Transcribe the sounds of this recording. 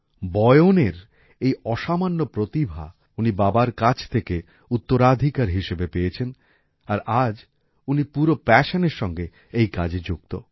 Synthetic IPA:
bɔeoneɾ | ejɔʃamanːopɾot̪ibʱa̰ | unibabaɾkat͡ɕʰt̪ʰeke | ut̪ːoɾad̪ʱikaɾɦiʃebepejet͡ɕʰen | aɾad͡ʑ | unipuɾopɛʃoneɾʃɔŋɡe | ejkad͡ʑd͡ʑukt̪o̰

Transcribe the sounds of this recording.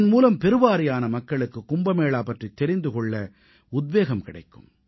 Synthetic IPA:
nmuːlɐmpɛɾɯʋaːɾɪjaːnɐmɐkːɐɭɯkːɯkːʊmbɐmeːɭaːpɐʈrit̪ːɛɾɪnd̪ɯkɔɭːɐ | ʊd̪ʋeːɣɐmkɪɽɐ̰ɪkːɯ̰m

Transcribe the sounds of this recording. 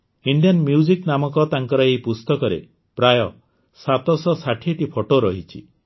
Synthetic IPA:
iɳɖijɔnmjud͡ʒiknamɔkɔt̪aŋkɔɾɔejpust̪ɔkɔɾḛ | pɾajɔ | sat̪ɔsɔsaʈʰiʈipʰoʈoɾɔɦit͡ʃʰḭ

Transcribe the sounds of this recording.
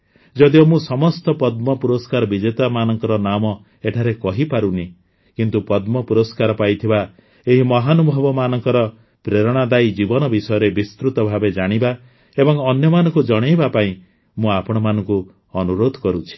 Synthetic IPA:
d͡ʒɔd̪iɔmũsɔmɔst̪ɔpɔd̪mɔpuɾɔskaɾɔbid͡ʒet̪amanɔŋkɔɾɔnamɔ | eʈʰaɾekɔɦipaɾuni | kint̪upɔd̪mɔpuɾɔskaɾɔpajt̪ʰiba | eɦimɔɦanubʱɔbɔmanɔŋkɔɾɔ | pɾeɾɔɽ̃ad̪ajd͡ʒibɔnɔbisɔjɔɾebist̪ɾut̪ɔbʱabed͡ʒaɽ̃iba | ebɔŋɔnjɔmanɔŋkud͡ʒɔɽ̃ejbapaĩ | mũapɔɽ̃ɔmanɔŋku | ɔnuɾod̪ʱɔkɔɾut͡ʃʰi̥

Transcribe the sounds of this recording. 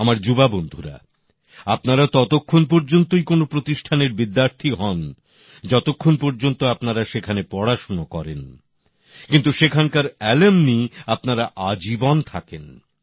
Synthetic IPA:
amaɾd͡ʑubabond̪ʱuɾa̰ | apnaɾat̪ɔt̪okʰːonpoɾd͡ʑont̪ojkonopɾot̪iʃʈʰaneɾbid̪ːaɾt̪ʰiɦɔn | d͡ʑɔt̪okʰːonpoɾd͡ʑont̪oapnaɾaʃekʰanepɔɽaʃonokɔɾḛn | kint̪uʃekʰankaɾɛlemniapnaɾaʔad͡ʑibont̪ʰaken

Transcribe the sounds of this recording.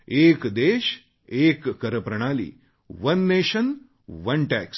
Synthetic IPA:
eːkd̪eːʃ | eːkːəɾəpɾɐɽ̃aːlḭː | ʋɐnːeːɕən | ʋɐnʈɛks

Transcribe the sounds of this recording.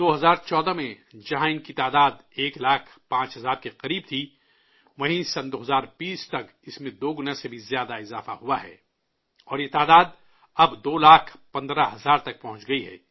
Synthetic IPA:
d̪̥oːɦɐzaːɾt͡ʃɔːd̪amẽd͡ʒɐɦãɪ̃nkit̪aːd̪aːd̪eːklaːkʰpãːt͡ʃɦɐzaːɾkeqɐɾiːb̚t̪ʰi | ʋɐɦĩsɐ̃nd̪oːɦɐzaːɾbiːst̪ɐk | ɪsmẽd̪oːɡʊnãsebʱizjaːd̪aɪzaːfa̰ɦuaɦɛ̰ː | ɔːɾjet̪aːd̪aːd̪ | ɐbd̪oːlaːkʰpɐ̃nd̪ɾaɦɐzaːɾt̪ɐk̚pɐɦʊ̃nt͡ʃɡɐiɦɛ̰ː

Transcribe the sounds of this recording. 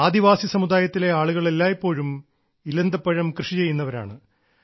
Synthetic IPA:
aːd̪iʋaːsisɐmud̪aːjɐt̪ːile̞aːɭuɣɐɭelːaːjepːo̞ːɻum | ilɐnd̪ɐpːɐɻɐmkrɨʂit͡ɕe̞jːunːɐʋɐɾa̰ːɳɨ

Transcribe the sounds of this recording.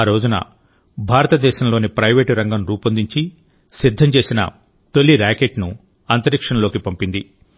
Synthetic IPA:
aːɾo̞ːd͡ʒunɐ̰ | bʱaːɾɐt̪ɐd̪ɛːʃɐmlo̞ːnipɾɐjʋeːʈɾɐŋɡɐmɾuːpɐnd̪iɲt͡ʃi | sid̪ʱːɐmt͡ʃe̞ːsinɐ̰ | t̪o̞ɭːiɾaːkeʈnu | ɐnt̪ɐɾikʂɐɳɐlo̞ːkipɐmpind̪i

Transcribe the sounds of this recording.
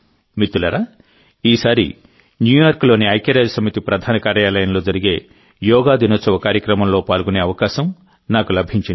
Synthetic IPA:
mit̪ːulɐɾaː | iːsaːɾḭ | njuːjaːɾklo̞ːniɐjkjɐɾaːd͡ʒɐsɐmit̪ipɾɐd̪ʱaːnɐkaːɾjaːlɐjɐmlo̞ːd͡ʒɐɾiɡe̞ː | jɔːɡaːd̪inɐsɐʋɐkaːɾjɐkɾɐmɐmlo̞ːpaːlɡune̞ːɐʋɐkaːʃɐm | naːkulɐbʱiɲt͡ʃin

